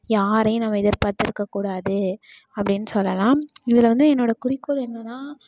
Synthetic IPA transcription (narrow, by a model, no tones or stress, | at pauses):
jaːɾɐjʊ̃nɐmːɐɪðɐɾpaːɾt̪ɪɾɯkːɐkːuːɽaːðɯ | ɐpːɐɽɪnːɯsɔlːɐlãːɪðɪlɐʋɐnd̪ɯɛnːoːɽɐkʊɾɪkːoɾɛnːɐnːaː